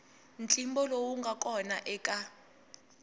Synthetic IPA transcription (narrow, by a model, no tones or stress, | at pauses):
nt͡ɬʼimbɔlowuŋɡʱakʼɔnaʔɛkʼa